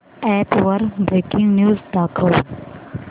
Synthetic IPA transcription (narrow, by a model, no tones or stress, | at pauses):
ɛːpʋɐɾbɾeːkɪ̃ŋɡnjuːzd̪aːkʰɐl